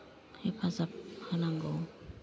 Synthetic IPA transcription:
ipʰazapʰanaŋɡɔ

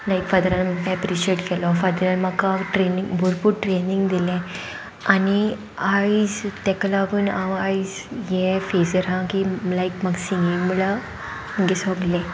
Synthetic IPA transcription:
laikfad̪əɾanməkapɾiɕeʈkɛlɔfad̪əɾanməkaʈɾenĩŋɡbʱuɾpuɾʈɾeniŋɡd̪ilɛ̃ | ani | aid͡zt̪ɛkəlaʋənaʋaid͡z | jefesəɾãkilaikməɡsiŋɡiŋməla | məɡesɔɡlɛ̃

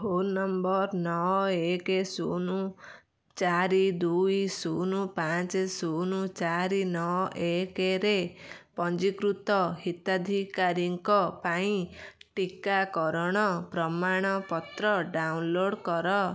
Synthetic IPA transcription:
honːɔmbɔɾnɔekesunu | t͡ʃaɾid̪ujsunupat͡ʃesunut͡ʃaɾinɔɔʔekeɾepɔnd͡ʒikɾut̪ɔhit̪ad̪ʱikaɾjɔŋkɔpaĩʈikakɔɾɔɽ̃ɔpɾɔmaɽ̃ɔpɔt̪ɾɔɖawnloɽkɔɾɔ

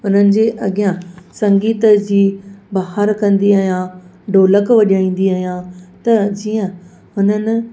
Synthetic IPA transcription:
ʊn̤ənɪ̆d͡ʑeːʔɐɠijãsɐ̃ŋɡiːt̪d͡ʑiːbaːɦəɾkɐ̃nd̪iaːɦijã | ɖoːləkʋɐʄaːĩːn̆d̪iaːɦijãt̪ɐd͡ʑiːə̃ | ʊnənɪ̆

